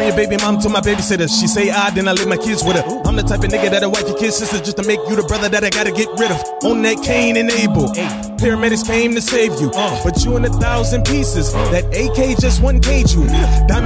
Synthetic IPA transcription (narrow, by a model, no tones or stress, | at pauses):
ɪ̃jə˞beɪbĩmɑ̃mtʰɨmaɪbeɪbisɛɾɨʃiseɪaɪdɨ̃naɪliv̚maɪkʰɪdzwɨðɨ | ãɪmðɨtʰaɪpɨnɪɡɨɾɨɾawaɪt͡ʃjə˞kʰɪdz̥sɪsɨzd͡ʒʌstʰɨmeɪkjɨðəbɹʌðə˞ðɨɾaɪɡɑɾɨɡɛt̚ɹɪɾʌv | õn̩ðɨt̚kʰẽɪ̃nɨ̃neɪbl̩ˠ | pʰɛɹɨmɛɾɨspʰẽɪ̃mtɨseɪvjɨb̥ʌt͡ʃɨə̃nɨθaʊzɨ̃npʰisɨzðɨɾeɪkʰeɪd͡ʒʌst̚wʌ̃nkʰeɪt͡ʃɨd̥a